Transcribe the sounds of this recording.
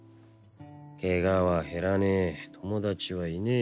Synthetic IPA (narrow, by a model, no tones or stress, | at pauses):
keɡaβaɦe̞ɾanet̪ʰo̞mo̞d̪at͡ɕiβaine